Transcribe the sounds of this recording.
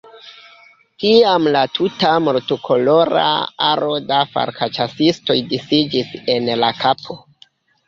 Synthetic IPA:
kiamlatʰutamo̞ɾtokʰo̞lo̞ɾa̰aɾo̞dafa̰ɾkʰa̰t͡ʃasisto̞jdisid͡ʒise̞nlakʰapʰo̞

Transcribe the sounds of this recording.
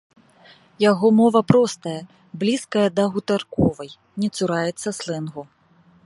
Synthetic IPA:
jaɣɔmɔvɐpɾɔst̪ɐjɐ | blʲiskɐjɐd̪ɐɣut̪arkɔvɐj | nʲɛt̪suɾajɛt̪sːɐslˠɨnɣu

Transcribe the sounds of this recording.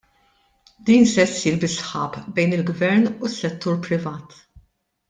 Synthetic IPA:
d̪iːnsɛsːiːɾbɪsħɐ̰ːpbɛjnɪlɡvɛɾnusːɛt̪ːuːɾpɾɪvɐːt̪

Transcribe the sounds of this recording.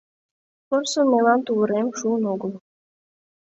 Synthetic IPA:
porsomelɑnt̪uβə̆ɾemʃuənoɡə̆lˠ

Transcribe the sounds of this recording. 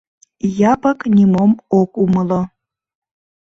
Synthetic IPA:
jɑpəknʲimomokuməlo

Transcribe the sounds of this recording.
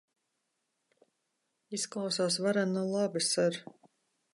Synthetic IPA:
isklˠawsaːsvaɾanɔlˠabɨsɨɾ

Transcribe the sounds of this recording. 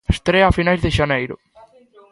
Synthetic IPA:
est̪ɾeɐaːfinajzðeʃanejɾʊ̰

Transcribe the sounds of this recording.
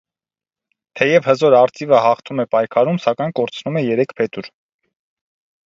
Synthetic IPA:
t̪ʰɛjɛvhəzɔɾɑɾt͡sivəhɑχt̪ʰumɛpɑjkʰɑɾumsɑkɑjnkɔɾt͡sʰnumɛjɛɾɛkʰpʰɛt̪uɾ

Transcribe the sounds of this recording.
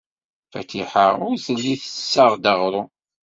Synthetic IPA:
fæ̰t̪iħaʊɾθəlːiθə̥sːəʁˤd̪əʁɾˤu

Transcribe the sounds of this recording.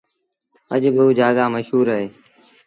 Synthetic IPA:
əd͡ʒɓəuːd͡ʒaːɡaːməʃɦuːɾəːɦeː

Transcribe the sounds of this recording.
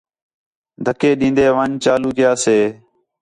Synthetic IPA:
d̪ʱəkeːɗĩːnd̪eːʋãːɲt͡ʃaːluːkɪjaːseː

